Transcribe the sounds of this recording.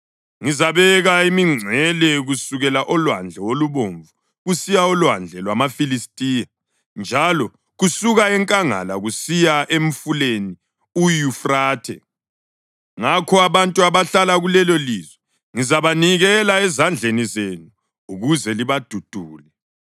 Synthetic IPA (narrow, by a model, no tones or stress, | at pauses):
ŋizaβɛɣaimiŋ͡ǀʱɛlɛɣusuɣɛlaʔɔlwand͡ɮʱɛwoluβoɱvu | ɣusijaɔlwand͡ɮʱɛlwamafilistʼija | nd͡ʒʱalɔ | ɣusuɣaɛŋkʼaŋa̰laɣusijaʔem̩fuleni | ujufraːtʰɛ̰ | ŋakʰɔaβantʼuaβaɬalaɣulɛlɔlizwɛ | ŋizaβaniɣɛlaɛzand͡ɮʱenizenuː | ɣuzɛliβad̥ʱud̥ʱuːlɛ